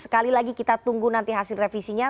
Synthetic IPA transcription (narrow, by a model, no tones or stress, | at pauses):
sə̥kalilaɡikit̪at̪uŋɡunant̪iɦasɪlrefisiɲa